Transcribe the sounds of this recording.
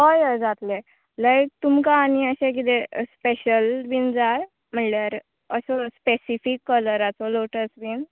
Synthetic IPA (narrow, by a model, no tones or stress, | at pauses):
ɦɔjəd͡zat̪le | lajk̚t̪umkaːniəɕẽk̬it̪espeɕəlbind͡za | m̤əɳlaɾ | əɕɔspesifikːələɾat͡sɔloʈəsbin